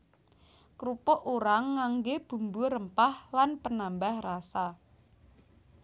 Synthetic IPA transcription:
kɾupɔʔuɾaŋːaŋɡeb̥ṳmbuɾəmpahlanpənambahrasa

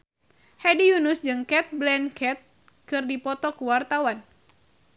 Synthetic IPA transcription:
hɛdijunusd͡ʒɨŋkɛt̪̚blɛnkʰɛt̪̚ | kɨrdipɔt̪ɔkuwart̪awan

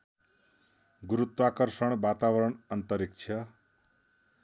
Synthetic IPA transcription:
ɡuɾut̪wakʌrsʌɳ̃bat̪awʌɾʌɳʌnt̪ʌɾik̚t͡ʃʰjʌ

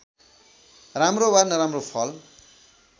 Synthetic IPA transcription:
ramrowarnʌɾamropʰʌl

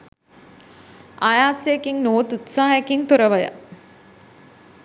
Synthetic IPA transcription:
ʔajaːsejekiŋnoːt̪ut̪saːɦɐjekint̪uɾəʋəjə̰

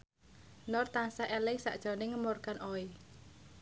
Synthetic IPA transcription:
nɔrt̪ansaʔɛlɪŋsa̰ʔd̥ʒ̥ɔ̤nɪŋəmorkanʔɔi

